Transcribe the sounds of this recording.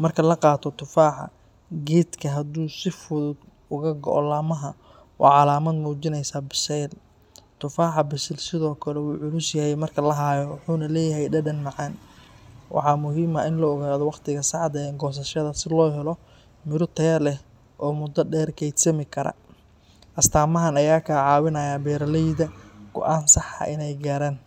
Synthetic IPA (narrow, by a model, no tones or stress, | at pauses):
mɐrkʰɐlɐqɑːt̪ʰɔt̪ʰʊfaːħɑ̰ | ɡiːd̪kʰɐɦɐd̪uːsɪfʊðʊd̪ | ʊɣɐɡɔ̰ʔɔ̰lɐːmɐɦɐ | wʔɑ̰ʕɑlaːmɐd̪muːt͡ʃɪnɛjsaːbɪsɛjl | t̪ʰʊfaːħɑbɪsɛlsɪðɔːkʰɐlɛwuːʕʊluːsjɐɦɛjmɐrkʰɐlɐɦaːjɔwɑħuːnɐlɛːjɐɦɛjɖɐɖɐnmɑʕɑːn | wʔɑ̰ħɑːmʊɦiːmɐʔɪnlɔɔɣaːðɔwɑqt̪ʰɪɣɐsɑʕd̪ɐɛːŋɡɔːs̬ɐʃɐðɐsɪlɔːɦɛlɔ | mɪɾʊt̪ʰɐjɐlɛ | ʔɔːmʊd̪ːɐɖɛːrkʰɛjd̪sɐmɪkʰɐɾɐ̰ | ʔɐst̪ʰaːmɐɦɐnɐjaːkʰaːʕɑːwɪnɐjaːbɛːɾɐlɛjd̪ɐɡ̥ɔ̰ʔaːnsɑħɐ̰ʔɪnɛjɡaːɾaːn